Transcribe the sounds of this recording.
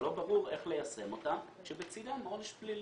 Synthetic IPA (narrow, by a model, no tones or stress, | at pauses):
lo̞baʁuʁe̞χle̞jasʁe̞mo̞t̪a | ʃebet͡sidamoneʃplil